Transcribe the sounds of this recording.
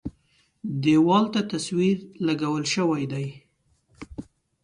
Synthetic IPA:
d̪ewɑlt̪at̪aswiɾlaɡawəlʃəwajd̪aj

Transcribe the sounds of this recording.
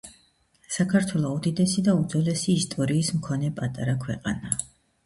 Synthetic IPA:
sakʰaɾt̪ʰwɛlˠɔud̪id̪ɛsid̪aud̪zɔlɛsiːst̪ʼɔɾiːsmkʰɔnɛpʼat̪ʼaɾakʰwɛqʼana

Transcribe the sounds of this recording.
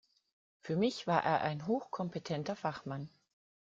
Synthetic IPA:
fyːɐmɪçv̥aːɐʔeːɐʔaɪnɦoːxkʰɔmpetʰɛntɐfaχman

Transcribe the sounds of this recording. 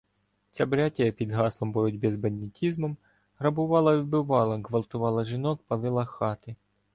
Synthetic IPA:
t͡sʲabɾʲɑtʲɐjɐpʲid̪ɦɑslˠɔmbɔɾɔdʲbɪzbɐnːʲitʲizmɔm | rɐbʊʋɑlˠɐʋʲiw̪bɪʋɑlˠɐɦʋɐlˠt̪ʊʋɑlˠɐʒɪnɔkpɐlˠɪlˠɐxɑt̪ɪ

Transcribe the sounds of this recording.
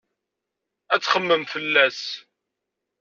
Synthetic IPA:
æt͡sːχəmːəmfəlːæs

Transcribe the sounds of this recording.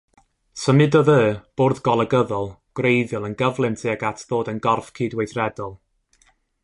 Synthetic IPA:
səmɪdɔðəːb̥oːrðɡɔlˠəɡəðɔlˠɡ̥wrejðjɔlˠənɡəvlˠɪmtʰɪəɡatʰðoːdənɡɔrfkʰiːdwejθrɛdɔlˠ

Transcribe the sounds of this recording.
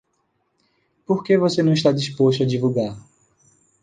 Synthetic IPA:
poɾkevosenɐ̃iʃt̪ad͡ʒispoʃt̪ʊɐd͡ʒivuɡaɾ

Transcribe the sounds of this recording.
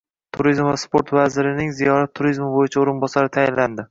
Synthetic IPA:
t̪ʰʊɾizmvaspo̞ɾt̪vazɪɾɪnɪŋzijɒɾat̪ʰːʊɾizmɪbojɪt͡ʃʰaoɾɪnbɒsaɾɪt̪ʰajɪnlːand̪ɪ

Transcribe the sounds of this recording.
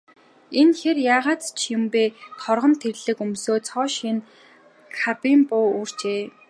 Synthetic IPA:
enxerjaːʁaːt̪t͡ɕʰjʊmpeːt̪ʰɔrʁɞ̆nt̪ʰerɮɘ̆kɵmsoːt͡sʰɔːʃin | kxʰapiːmpʊːuːr̥t͡ɕeː

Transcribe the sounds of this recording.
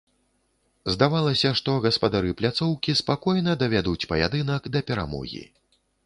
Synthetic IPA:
zd̪avalˠɐsʲɐʂt̪ɔɣɐspɐd̪aɾɨplʲat̪sɔwkʲispakɔjnɐd̪ɐvʲad̪ut͡sʲpɐja̰d̪ɨn̪ɐkd̪ɐpʲɛɾa̰mɔ̰ɣʲḭ

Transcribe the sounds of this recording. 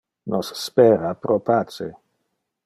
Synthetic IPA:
nʔɔsːpɛːɾapɾopaːt͡ʃe

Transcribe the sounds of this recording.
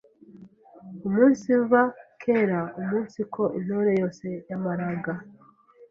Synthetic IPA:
umuːnsiɱvakʰe̞ɾaumuːnsikʰo̞ʔin̥oɾe̞jo̞ːse̞jamaɾaɡa

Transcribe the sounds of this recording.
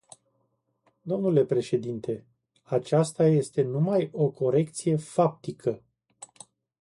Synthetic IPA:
d̪o̞mnule̞pɾe̞ʃe̞d̪int̪ʰe̞ | at͡ʃast̪aje̞st̪e̞numajo̞kʰo̞ɾe̞kt̪sije̞fap̚t̪ikʰə

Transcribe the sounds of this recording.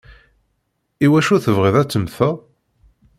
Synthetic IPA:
iwæʃuθəvʁiðæt͡sːəmθə

